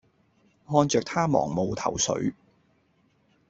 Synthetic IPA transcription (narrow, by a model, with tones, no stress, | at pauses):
hɔː˧nt͡sœː˨k̚t̪ʰaː˥mɔ̰ː˨˩ŋmo˨wt̪ʰɐ̰˨˩wsɵ̰˨˥ɥ